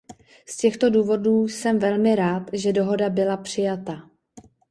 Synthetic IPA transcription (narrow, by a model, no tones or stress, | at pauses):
scɛxt̪o̞duːvo̞duːsɛmvɛlmɪɾaːt̪ʒɛdo̞ɦo̞dabɪlapr̝̥ɪjat̪a